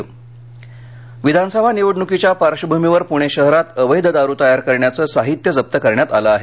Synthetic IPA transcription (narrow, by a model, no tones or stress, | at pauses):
ʋid̪ʱanəsəbʱaniʋəɽɳukit͡ɕjapaɾʂəbʱumiʋəɾpuɽ̃eɕəɦɾat̪əʋəjd̪ʱəd̪aɾuːt̪əjaɾkəɾɳjat͡səːsaɦit̪jəd͡zəp̚t̪əkəɾɳjat̪a̰ləaɦe